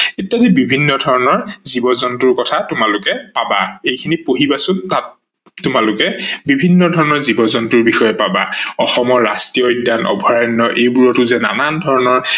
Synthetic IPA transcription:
etːadibibʱinːɔdʱɔɹɔnɔɹzibɔzɔntʊɹkɔtʰatʊmalʊkɛpabaejkʰinipoɦibasʊntat | tʊmalʊkɛbibʱinːɔdʱɔɹɔnɔɹzibɔzɔntʊɹbixɔjɔpabaɔxɔmɔɹːastijɔidːanʔɔ̰bʱɔɹanːɔʔejbuɹɔtʊzɛna̰nandʱɔɹɔnɔɹ

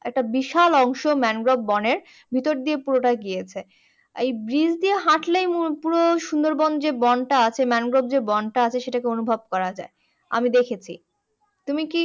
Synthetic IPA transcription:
ɛ̰k̚ʈabiʃalɔŋʃomɛnɡɾob̚ːɔneɾ | bʱit̪oɾd̪iepuɾoʈaɡijet͡ɕʰe | ejbɾid͡ʑd̪ieɦaʈlejmupuɾoʃund̪oɾbɔnod͡ʑebɔnʈaat͡ɕʰemɛnɡɾob̚d͡ʑebɔnʈaat͡ɕʰeʃeʈakeonubʱob̚kɔɾad͡ʑa̰e | a̰mid̪ekʰet͡ɕʰḭ | t̪umiki

